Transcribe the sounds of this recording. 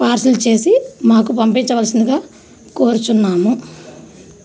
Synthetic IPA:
paːɾsɐlt͡ʃe̞ːsimaːk̬upɐmpiɲt͡ʃɐʋɐːlsind̪iɡaː | koːɾut͡ʃunːaːmu

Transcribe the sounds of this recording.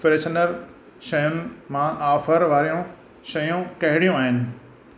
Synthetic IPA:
pɾeːʃənəɾ | ʃɐjəmmãʔaːfəɾʋaːɾijũ | ʃɐjũkɐɦɪɽijũaːɦɪnɪ̆

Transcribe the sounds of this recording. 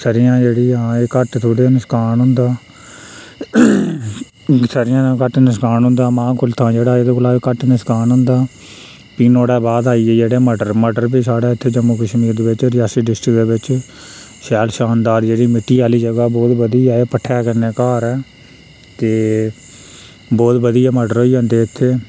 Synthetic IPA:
səɾɪjãːd͡ʒeːɽiːãːeːkəʈt̪ʰoɽenəskaːnɦʊ̃nd̪aː | səɾɪjãːkəʈnəskaːnɦʊ̃nd̪aːmãːkʊlt̪ʰãːd͡ʒeːɽaːed̪eːklaːeːkəʈnəskaːnɦʊ̃nd̪aː | piːnoːɽɛːbaːd̪aːiːɛːd͡ʒeːɽeːməɖəɾməɖəɾbiːsaːɽaːɪt̪ʰːeːd͡ʒəmuːkəʃmiːɾd̪eːʋɪt͡ʃɾɪjaːsiːɖɪsʈɾɪkd̪eːʋɪt͡ʃ | ʃɛːlʃaːnd̪aːɾd͡ʒeːɽiːmɪʈːiːaːliːd͡ʒəɡaːbɔːt̪bəd̪iːaːeːpəʈʰːɛːkəneːkaːɾɛː | t̪eː | bɔːt̪bəd̪iːɛːməɖəɾɦoːiːd͡ʒãːnd̪eːɪt̪ʰːeː

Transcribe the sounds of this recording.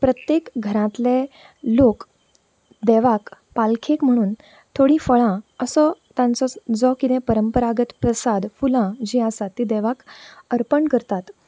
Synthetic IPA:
pɾət̪jekɡʱəɾãt̪le | lok | d̪ɛʋak | palkʰekm̤əɽ̃uːn | t̪ʰoɽĩfəɭãəsət̪jãnt͡sɔd͡zɔkːit̪ɛ̃pəɾəmpəɾaɡət̪pɾəsad̪fulãd͡ʑiasat̪ːid̪ɛʋakəɾpəɳkəɾt̪at̪

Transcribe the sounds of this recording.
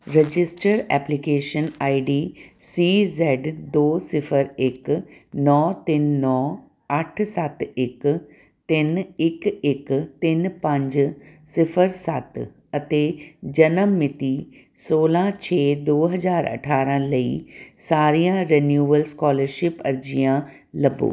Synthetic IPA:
ɾed͡ʑɪsʈəɾɛːplikeːʃənaːiɖiːsiːzɛːɖd̪oːsɪfʰəɾɪknɔːt̪ɪnːɔː | ɐʈʰsat̪ɪk | t̪ɪnɪkɪkt̪ɪnpə̃ɲd͡ʑsɪfəɾsat̪ | ɐt̪ed͡ʑɐnəmːɪt̪i | soːlãt͡ɕʰeːd̪oːɦɐzaːɾɐ̰ʈʰaːɾə̃lɐḭːsaːɾijãɾenjuːəlskɔːləɾʃɪpɐɾd͡ʑijã | lɐbo̰ː

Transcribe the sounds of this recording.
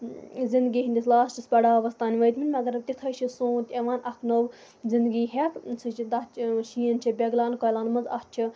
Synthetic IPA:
zind̪ɡiːɦind̪islaːst͡ʃʰispɐɽaːʋɐst̪aːniʋɐjt̪minʲmʲɐɡɐɾɐb̚t̪it̪ʰɐt͡ʃʰisõːt̪ʲeʋaːnʔɐkʰnoʋ | zind̪ɡiːɦekt͡sʰɨd̪ɐt͡ʃʰʃiːənt͡ʃʰibʲeɡlaːnkoːjlaːnmɐnzɐht͡ʃʰi

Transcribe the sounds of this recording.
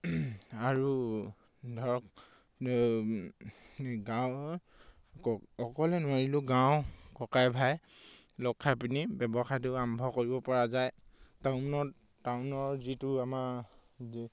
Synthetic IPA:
aɹu | dʱɔɹɔk | ɡãw | ɔkɔlɛnʊwaɹilʊɡaw̃kɔkajbʱaj | lɔkʰːapinibɛbɔxajtʊambʱɔkoɹibɔpɔɹazajtaʊnɔ | taʊnɔɹzitʊamaɹ

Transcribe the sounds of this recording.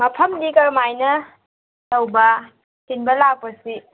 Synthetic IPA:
mɐpʰɐmlikɐɾmajnɐ | lɐwbɐ | sinbɐlak̚pɐsi

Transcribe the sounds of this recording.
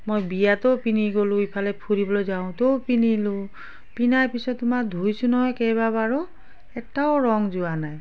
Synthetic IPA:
mojbijat̪ɔpiniɡolʊ̃ipʰalɛpʰuɹibɔlɔjzaʊ̃topinilũ | pinajpisɔttːʊmakd̪ʱujsunɔɦɔjkejbabaɹɔ | ɛtaʊɹɔŋzuanaj

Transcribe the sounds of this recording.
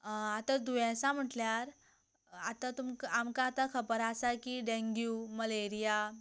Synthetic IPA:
at̪ad̪uʋãsam̤əʈljaɾ | at̪ãt̪umkamkaːt̪akʰəbəɾasakiɖẽŋɡjuməleɾija

